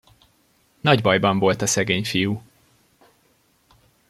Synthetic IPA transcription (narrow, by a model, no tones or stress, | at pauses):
nɒɟbɒjbɒɱvo̞lt̪ɒsɛɡeːɲfiju